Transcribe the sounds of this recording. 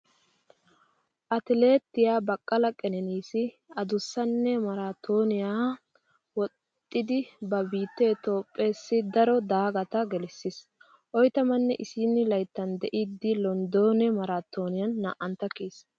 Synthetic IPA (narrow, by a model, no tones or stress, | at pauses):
ʔɐt̪ɪle̞ːt̪ːɪjaːbɐkʼːɐlɐkʼɛnɛniːsɪ | ɐd̪ʊsːɐnːɛmɐɾaːt̪ʰo̞ːnɪjaː | wɔt̪ʼːɪd̪ɪbɐbiːt̪ːeːt̪o̞ːpʼːe̞ːsːɪd̪ɐɾɔd̪aːɡɐt̪ɐɡɛlɪsːɪs | ʔɔjt̪ɐmɐnːɛʔɪsiːnːɪlɐjt̪ːɐnd̪ɛʔid̪ːɪlɔnd̪o̞ːnɛmɐɾaːt̪ːo̞ːnɪjɐnːɐ̰ʔɐnt̪ːɐkiːs